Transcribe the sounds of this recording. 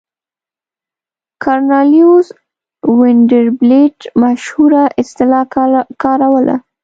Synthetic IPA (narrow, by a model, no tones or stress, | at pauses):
kʰaɾnɑliuz | wɪɳɖəɾbleʈmaʃhuɾaʔɪst̪ɪlɑkɑɾawəlʔa̰